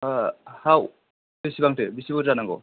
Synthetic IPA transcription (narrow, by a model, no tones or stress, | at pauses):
haw | besibaŋtebisibɔzanaŋɡɔ̰